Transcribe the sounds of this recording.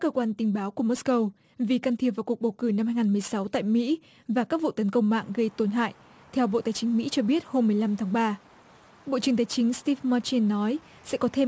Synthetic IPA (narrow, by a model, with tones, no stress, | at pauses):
a˦˥kːəː˧kwaː˧nt̪ï˨˦ŋ̟ɓaː˨˦wku˧˩əmo˦˥skə˧w | vi˨˩ka˧nt̪ʰi˨˩əp̚vaː˨˩wku˨˩k̚ɓə˨˩wkɨ˧˩na˧mhaː˧jŋaː˨˩mɨ˨˩əjsa˨˦wt̪a̰ː˧˨jmḭ˧˥ | vaː˨˩kaː˦˥k̚vṵ˧˨t̪ə˨˦nkə˧wŋ͡mma̰ː˧˨ŋɣə˧jt̪o˨˧nɦa̰ː˧˨jʔ | t̪ʰɛ˧wɓo̰˧˨t̪aː˨˩jt͡ɕï˨˦ŋ̟mḭ˧˥t͡ɕɔ˧ɓi˦˥ət̚ho˧mːɨ˨˩əjla˧mt̪ʰaː˨˦ŋɓaː˧ | ɓo̰˧˨t͡ɕɨ˨˩əŋt̪aː˨˦jt͡ɕï˨˦ŋ̟st̪i˧ma˧t͡ɕi˧nːɔ˨˦j | sɛ̰˧˥kɔ˨˦t̪ʰe˧